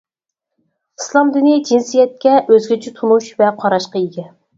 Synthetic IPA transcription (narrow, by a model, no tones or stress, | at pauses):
ɨslˠɑmd̪ɪnɪd͡ʒinsijɛt̪̚kʲɛʔøzɡʲit͡ʃʰɪt̪ʰunuʃvɛqʰɑɾɑʃqɑiɡʲɛ